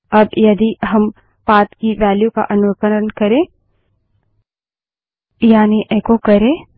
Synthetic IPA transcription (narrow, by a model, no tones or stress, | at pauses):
ɐbjɐd̪iɦɐm | paːt̪kiʋɛːljuka̰ʔɐnʊəkəɾənkɐɾẽː | jaːniʔeːkokɐɾẽː